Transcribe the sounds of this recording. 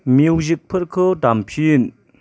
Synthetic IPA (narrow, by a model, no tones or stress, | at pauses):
mwʑək̚pʰərkʰətampʰijən